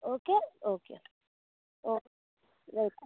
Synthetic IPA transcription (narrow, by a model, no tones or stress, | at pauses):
oːkeoːkḛ | o | lek